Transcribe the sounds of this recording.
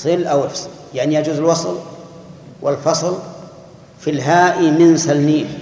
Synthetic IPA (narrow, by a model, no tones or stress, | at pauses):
sɨlʔawʔɪfs | jaʕnijad͡ʒuːzɪlwɑsˤl | wʔɪlfɑsˤl | filɦaːʔimɪnsalniːl